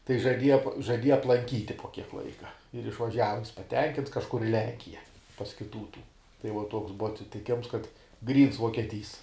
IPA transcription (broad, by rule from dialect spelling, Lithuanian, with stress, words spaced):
tɐɪ ʒɐˈdʲiɛjɛ poː ʒɐˈdʲiɛjɛ ɐplˠɐŋʲˈkʲiːtʲɪ poː kʲiɛk ˈlˠɐɪkɐ ɪr ɪʃʋɐˈʒʲæːʋɐ jɪs pɐˈtʲɛŋʲkʲɪnts kɐʃˈkʊr ɪ ˈlʲɛŋʲkʲɪjɛ pɐs kʲɪˈtuː tuː tɐɪ uɔ ˈtoːks ˈbʊʋɐ ɐtʲsʲɪtʲɪˈkʲeːms kɐt ˈɡrʲiːns ʋuɔkʲiɛˈtʲiːs